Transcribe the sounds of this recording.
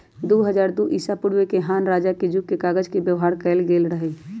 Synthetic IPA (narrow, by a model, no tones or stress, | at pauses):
d̪oɦəd͡ʒaːɾd̪uʔisapʊɽwekeɦaːnɾaːd͡ʒaked͡ʒukkekaːɡəd͡ʒkebjəʋɦaːɾkɛːlɡeːlɾəɦɛ